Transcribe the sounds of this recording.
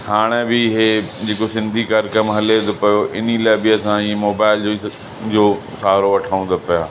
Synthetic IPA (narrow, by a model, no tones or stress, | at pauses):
haːɽ̃ebɪɦed͡ʑeːkosɪ̃nd̪ʱikaɾkɐmɦɐlet̪opɐjoʔɪ̰nilaːɪbɪɐsãimoːbaːɪld͡ʑoːi | d͡ʑoː | saːɾoʋɐʈʰaːũnd̪opɐjaː